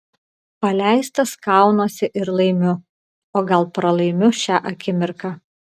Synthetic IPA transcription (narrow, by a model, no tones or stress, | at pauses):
pɐlʲæˑɪst̪ɐskɑˑʊnoːsʲɪʔɪɾlˠɐɪmʲʊ | oːɡɐlˠpɾɐlˠɐɪmʲʊʃʲæːʔɐkʲɪmʲɪɾkɑː